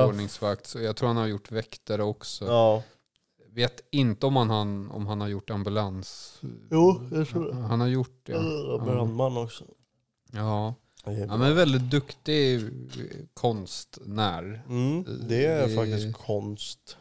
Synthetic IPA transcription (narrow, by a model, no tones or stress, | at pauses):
ɳɪŋsvakt̪sɔjat̪ʰɾuːɾhanhaɾjʊʈːvɛkt̪əɾɔksɔ | veːt̪ɪnt̪əɔmhanhanɔ̰mɦanhaɾjʊʈːambɵlansjuːjat̪ʰɾuːɛhanhaɾjʊʈ̚ːɛɛanmanːɔksɔ | ɑː | amɛnvɛld̪ɪt̪̚d̪ɵkt̪ɪ | kʰɔnst̪næːɾ̩ | d̪ɛæɾfak̪ɪkʰɔnst̪